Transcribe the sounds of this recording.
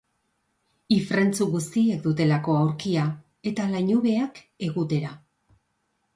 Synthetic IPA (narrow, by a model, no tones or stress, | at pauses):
ifɾe̞nt͡suɣust̪ie̞k̚d̪ut̪e̞lako̞awɾkia | e̞t̪alajɲuβe̞ak | e̞ɣut̪e̞ɾa